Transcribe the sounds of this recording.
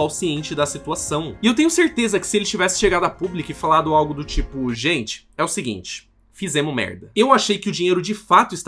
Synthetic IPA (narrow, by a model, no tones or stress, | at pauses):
awsiẽnt͡ʃɪd̪ɐsit̪uasɐ̃w̃ɪewt̪ẽɲʊseɾt̪ezɐkɪ̥sɪelɪt͡ʃivɛsɪ̥ʃeɡad̪ʊɐpublikʊɪfalad̪ʊawɡʊd̪ʊt͡ʃipʊʒẽnt͡ʃɪ̥ɛʊsɪɡḭ̃nt͡ʃɪ̥ | fizẽmʊmɛ̰ɾd̪ɐewaʃejkɪʊd͡ʒĩɲejɾʊd͡ʒɪfat̪ʊɪst̪